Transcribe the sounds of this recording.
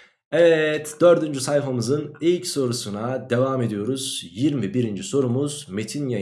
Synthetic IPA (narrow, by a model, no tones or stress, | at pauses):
ɛvɛt̪d̪̥øɾd̪ynd͡ʒysajfamɯzɯnilʲcso̞ɾusunad̪e̞vaːme̞d̪ijo̞ɾuz̥jiɾmibiɾind͡ʒiso̞ɾumuz̥me̞t̪ʰinja